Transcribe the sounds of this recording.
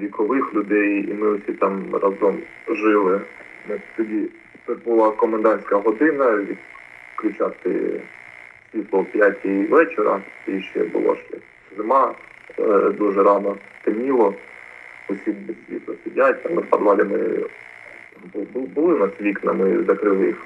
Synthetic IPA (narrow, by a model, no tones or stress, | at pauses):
ʋʲikɔʋɪxlʲʊd̪ɛjḭmɪɔsʲit̪ɑmrʔɐzɔm | ʒɪlˠɪ | mɪt̪ɔdʲi | bʊlˠɑkɔmend̪ɑnʲsʲkɐɦɔd̪ɪnɐjɐkklʲʊt͡ʃat̪ɪ̰ | sʲʋʲit̪lˠɔpʲjatʲiiʋɛt͡ʃeɾɐ̰iʃt͡ʃɛ̰bʊ̰lˠɔ̰ʃɛ̰ | zɪmɑ | d̪uʒɛɾɑnɔt̪ɪmʲilˠɔ | ʊsʲimbesʲʋʲḭt̪lˠɔsʲidʲat̪ʲamnɐpɐd̪ʋˠɑlʲɪmɪ̰ | bbbʊlˠɪnɑsʲʋʲiknɐ̰mɪzɐkɾɪlˠɪjix